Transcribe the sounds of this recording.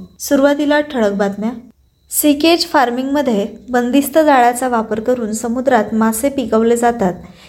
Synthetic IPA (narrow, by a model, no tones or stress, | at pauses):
suɾuʋat̪ilaʈʰəɭək̚bat̪mja | siked͡ʑfaɾmiŋɡməd̪ʱːjebənd̪ist̪əd͡zaɭat͡saʋapəɾkəɾuːnsəmud̪ɾat̪masepikəʋled͡zat̪at̪̚